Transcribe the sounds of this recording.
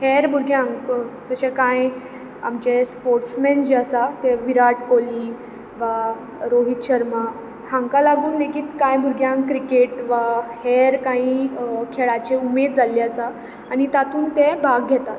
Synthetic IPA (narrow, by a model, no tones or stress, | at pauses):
hɛɾbʱuɾɡʱjãŋɡt̪əɕɛ̃kãj | a̰mt͡ɕespoɾʈsmɛnd͡ʑeəsat̪ɛʋiɾaʈkoliː | ʋa | ɾoɦit̪ɕəɾma | hãŋkalaɡuːnlekiːt̪kãjbʱuɾɡʱjãŋɡkɾikeʈʋahɛɾkãɦikʰeɭat͡ɕeumed̪̚d͡zaliəsaː | nit̪at̪uːnt̪ɛ̃bʱaɡʱɛt̪a